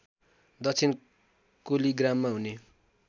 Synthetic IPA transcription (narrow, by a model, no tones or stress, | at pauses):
d̪ʌt͡sʰin | koliɡramːaɦune